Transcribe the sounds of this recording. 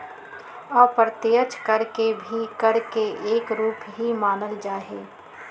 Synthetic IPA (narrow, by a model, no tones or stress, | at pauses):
ɔːpɾət̪ɪjət͡ʃkəɾkebʱikɐɾkeʔeːkɾuːpɦimaːnəld͡ʒaːɦeː